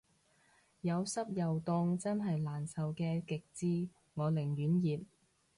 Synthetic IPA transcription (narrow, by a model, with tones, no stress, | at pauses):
jɐ˨˧wsɐ˥p̚jɐ˨wt̪ʊ˧ŋt͡sɐ˥nɦɐ˨jlaː˨˩nsɐ˨wkɛː˧kɪ˨k̚t͡siː˥ | ŋɔː˨˧lɪ˨˩ŋjyː˨˥njiː˨p̚